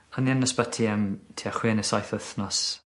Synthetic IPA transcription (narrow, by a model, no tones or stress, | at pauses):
anianːəsbatʰiəmtʰiaχwɪnəsajθəθnɔs